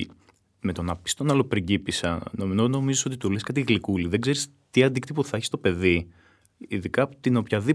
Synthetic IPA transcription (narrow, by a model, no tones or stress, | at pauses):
me̞t̪o̞nɐpi̥st̪o̞nɐlopɾiɟipisɐnomnono̞mizeso̞t̪it̪uleskɐt̪iɣlikuliðe̞ɡze̞ɾis | t̪iɐnd̪ikt̪ipoθɐeçist̪o̞pe̞ði | iðikɐot̪inopçɐði